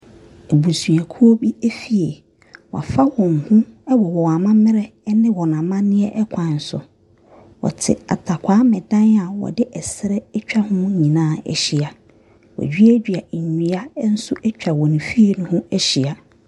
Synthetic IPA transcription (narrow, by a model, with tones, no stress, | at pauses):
e˨bu˨su˨a˨kʰu˦o˦bi˦e˦fi˨e˨ | wa̰˨fa˦wɔ̃˨ŋ˨hʊ̃˦ɛ˦wɔ˨wɔ˨a˨mã˦mɪ̃˦ɾɛ˦nɪ̃˦wɔ˨nã˨mã˦nɪ̃˦ɛ˦ʔɛ˦kʰʷã˨n̩˨sʊ̰˨ | wɔ̰˨tʰɪ̰˨a̰˨tʰa˨kʷʰa˨˦mɛ̃˨dã˦na˨wɔ̰˨dɪ˦ʔɛ˨sɪ˦ɾɛ˦ɛ˦t͡ɕᶣa˦hʊ̃˦mʊ̃˦ɲĩ˨nãː˦˨ɛ̰˨ɕi˨a˨ | wɔ̰˨d͡ʑᶣi˦æ˦d͡ʑᶣɥa˨ɲi˨˦a˦n̩˦sʊ˦ʔɛ˦t͡ɕᶣa˨wɔ˨nĩ˨fi˦e˨nʊ̃˦hʊ̃˦ɛ˦ɕi˨a˨